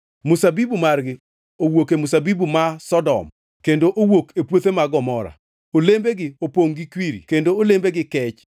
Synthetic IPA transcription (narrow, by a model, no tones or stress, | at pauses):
mʊsabibumarɡɪ | owokemʊsabibumasɔdɔ̰m | kendoʔowokepwot̪emaɡɔmɔɾa̰ | olembeɡɪopoŋɡikwiɾḭkendoolembeɡɪkɛt͡ʃ